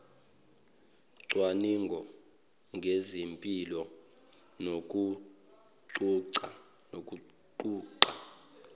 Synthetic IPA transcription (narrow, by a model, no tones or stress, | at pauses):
ǀwaniŋɡʱɔ | ŋʱezimpʼilɔ | nok̬ʼu | ǀuǀa | nok̬ʼu | ǃuːǀa